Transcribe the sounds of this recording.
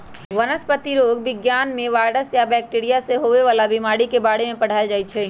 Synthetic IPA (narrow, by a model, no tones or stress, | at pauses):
ʋənəspət̪iɾoːɡʋɪɡjaːnmẽʋaːɾɽəsjabɛːk̚ʈeːɾijaseɦoːʋeʋaːlabɪmaːɽikebaːɽemẽpɐɽ̤aːd͡ʒaːit͡ʃʰɛː